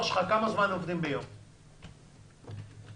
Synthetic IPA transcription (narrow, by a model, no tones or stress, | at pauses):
ʃχakamazmanovd̪imbejom